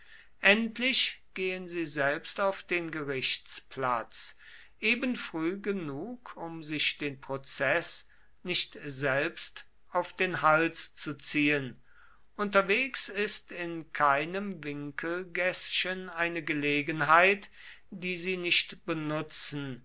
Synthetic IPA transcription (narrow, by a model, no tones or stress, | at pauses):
ʔɛntʰlɪʃɡ̥eːənziːzɛlpstaʊfd̥eːnɡəʁɪʃt͡spla̰t͡s | ʔeːbənfʁ̥yːɡənuːkʰʊmzɪʃd̥eːnpʁ̥ot͡sɛs | nɪʃtzɛlpst | ʔaʊfd̥eːnhalst͡sut͡siːən | ʔʊntɐveːksɪstɪnkʰaɪnəmvɪŋkʰəl̩ɡɛsʃənaɪnəɡəleːɡənɦaɪt | d̥iːziːnɪʃtb̥ənʊt͡sn̩